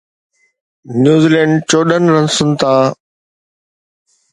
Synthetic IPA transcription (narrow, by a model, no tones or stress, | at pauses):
njuːziːlɛ̃ːɳɖt͡ɕoːɗənɾə̃nsʊnt̪ʰaː